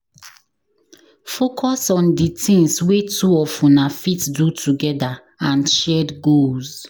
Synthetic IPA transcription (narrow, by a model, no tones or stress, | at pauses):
fokʰɔsɔ̃nditʰĩŋswetʰuɔfũnafitdutʰuɡɛda | ãnʃɛdɡoz